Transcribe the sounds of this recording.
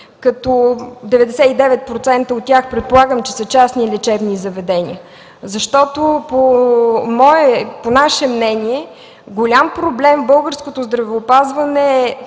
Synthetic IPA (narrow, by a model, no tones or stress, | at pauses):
kɐt̪od̪ɛvɛd̪ɛsɛid̪ɛvɛt̪̚pɾot̪sɛnt̪əot̪ːʲjaxpɾɛt̪̚polˠaɡəmt͡ʃɛ̥sət͡ʃasnilɛt͡ʃɛbnizɐvɛd̪ɛnʲḭə | zɐʃt̪ɔt̪opomɔɛponaʃɛmnɛnʲiɛ | ɡolʲampɾoblɛmbɤlˠɡəɾskot̪ozd̪ɾɐvɛːpazvɐnɛː